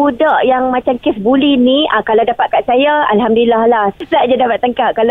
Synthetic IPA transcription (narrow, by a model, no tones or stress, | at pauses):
udaʔjaŋmat͡ʃamkɪsbuliniakalawdapat̪̚kansajaalɦamduilahlahlaʔd͡ʒadapat̪ːəŋkaʔ̚kala